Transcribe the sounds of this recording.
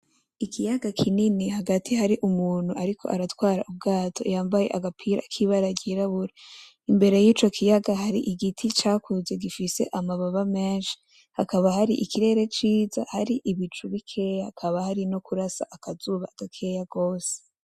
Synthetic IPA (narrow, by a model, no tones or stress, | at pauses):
ikʰijaɡakʰininihaɡatʰihaɾiʔumuːn̥huʔaɾikʰo̞ʔaɾatwaːɾa̰ʔub̚ɡaːtʰo̞̰jaːmbajeʔaɡapʰiːɾa̰kʰiβaɾaɟiɾaβuɾe | imbe̞ɾe̞jiːt͡ʃo̞kʰijaɡaɦaɾiʔiɡitʰit͡ʃaːkuze̞ɡifise̞̰ʔamaβaβame̞ːnʃi̥ | hakaβahaɾiʔikiɾe̞ːɾe̞t͡ʃiːza̰haɾiʔiβit͡ʃuβikʰe̞jakʰaβahaɾinokuɾasa̰ʔakazuːβaaɡ̥akʰe̞jaɡo̞ːse̥